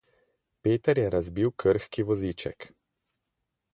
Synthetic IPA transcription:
peːt̪ɛɾjɛɾazbiwkʰəɾxkiʋɔzit͡ʃɛ̰k

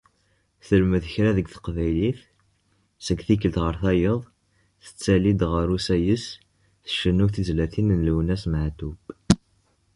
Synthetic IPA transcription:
θəlməðəçɾæðəɡθə̥qvæjliθ | səɡθik̬əlt̪ʁəɾθæjəðˤ | θə̥t͡sːælid̪ʁəɾusæjəs | θəʃənːuθizlæθinnlwnæsməʕt̪ub

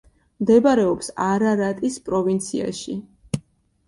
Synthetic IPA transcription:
md̪ɛbaɾɛɔpsaɾaɾat̪ʼispʼɾɔvint̪sʰḭa̰ʃḭ

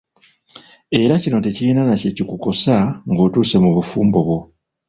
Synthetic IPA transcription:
e̞ɾacino̞tecijinanacecikuko̞saŋɡo̞ːtuːse̞muβufuːmbo̞βwo̞

